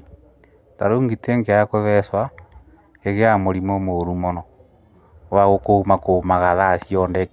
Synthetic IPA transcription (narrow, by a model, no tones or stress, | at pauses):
taɾoːŋɡiteŋɡeakoβɛswa | keɣeamoɾimomoɾumɔnɔ | waɣokomakomaɣaðasjɔndɛk